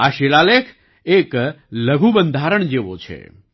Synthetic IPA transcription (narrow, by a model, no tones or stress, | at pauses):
aːʃeːlaːlekʰ | eːk | ləɡʱubə̃nd̪ʱaːɾəɳ̃d͡ʒeːʋo̰t͡ʃʰḛ